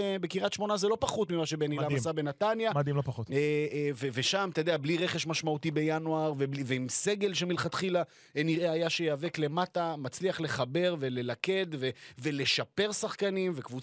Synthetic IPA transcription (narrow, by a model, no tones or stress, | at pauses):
be̞kiʁat̪ʃmo̞nazelo̞paχut̪mimaʃebenilammasabenat̪anjamad̪imlopaχot̪eveveʃamt̪ed̪eabliʁe̞χe̞ʃmaʃmaut̪ibe̞januaʁvebiveimse̞ɡe̞lʃemilχat̪χila | eniʁeajaʃejaːve̞kle̞matamat͡sliaχle̞χabe̞ʁve̞le̞lake̞d̪ve̞ve̞le̞ʃape̞ʁsaχkanimvekvu